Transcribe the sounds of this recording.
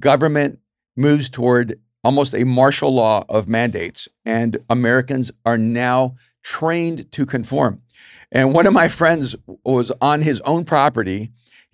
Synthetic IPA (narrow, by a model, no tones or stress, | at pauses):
ɡ̥ʌvə˞mɨ̃nʔ | mʉvz̥tʰəwɔɹɾ | ɔlˠmoʊstɨmɑɹʃl̩ˠlɔʌvmæ̃ndeɪts | ɨ̃nəmɛɹɨkɨ̃nzə˞naʊ | tʰɹ̥ẽɪ̃ntʰɨkʰɨ̃ɱfɔ̰ɹm | ʔɨ̃nwʌ̃ñʌvmaɪfɹɛ̃ndzwʌzn̩ɪzõʊ̃npʰɹ̥ɑpə˞ɾi